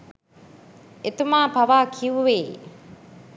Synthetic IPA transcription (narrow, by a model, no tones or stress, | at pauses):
et̪umaːpɐʋaːkʰiʋuʋeː